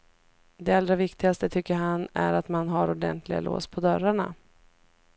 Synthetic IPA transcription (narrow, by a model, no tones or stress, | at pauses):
d̪ɛald̪ɾavɪkt̪ɪɡast̪ət̪ʰʏkːəɾɦanæ̰ɾat̪manɦaɾʊɖɛ̰nt̪ʰlɪɡa̰lʔo̰ːspʰɔd̪œɾaɳa̰